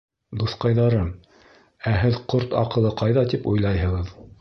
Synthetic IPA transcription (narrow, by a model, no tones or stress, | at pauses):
d̪uθqɑjðɑɾɤm | æɦɘðqoɾt̪ɑ̰qɤ̆lˠɤqɑjðɑt̪ipujlˠɑjɦɤ̆ʁɤð